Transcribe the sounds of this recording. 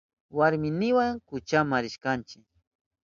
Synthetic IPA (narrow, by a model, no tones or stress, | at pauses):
waɾmɪnɪwaŋkʊt͡ʃamaɾɪʃkant͡ʃɪk̚